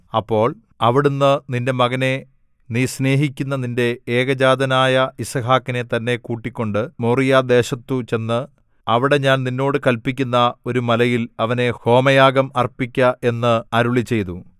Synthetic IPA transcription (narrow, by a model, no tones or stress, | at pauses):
ɐpːo̞ːɭ | ɐʋiɽunːɨninde̞mɐɣɐne̞ | nisne̞ːɦikʲːunːɐninde̞eːɣɐd͡ʑaːd̪ɐnaːjɐisɐɦaːkːine̞t̪ɐnːe̞kuːʈːikʲːo̞ɳɖɨmuːrijad̪e̞ːɕɐt̪ːut͡ɕe̞nːɨ | ɐʋiɽe̞ɲaːnninːo̞ːɽɨkɐlpikʲːunːɐo̞ɾumɐlɐjilɐʋɐne̞ho̞ːmɐjaːɡɐmɐrpikʲːɐe̞nːɨɐɾuɭit͡ɕːe̞jt̪u